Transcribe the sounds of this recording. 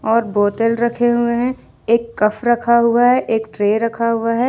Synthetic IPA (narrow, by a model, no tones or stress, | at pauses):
ɔːɾboːt̪əlɾɐkʰeɦʊeɦɛ̃ | eːkːɐfʰɾɐkʰaɦʊaɦɛʔeːkʈɾeːɾɐkʰaɦʊaɦɛː